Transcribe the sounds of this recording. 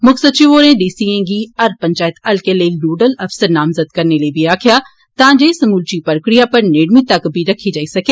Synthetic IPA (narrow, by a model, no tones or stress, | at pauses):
mʊksəd̪t͡ʃiʋoːɾẽɖiːsiẽɡiɐɾpɐ̃ɲt͡ʃaːjt̪ɐlkeleiluːɖəlɐfsəɾnaːmzəd̪kɐɾnelebʱiɾaːkʰja | t̪ãːd͡ʒesɐmuːlt͡ʃipəɾkɾijapɐɾneːɽmit̪ɐkbʱiɾɐkʰid͡ʒaːisɐkeː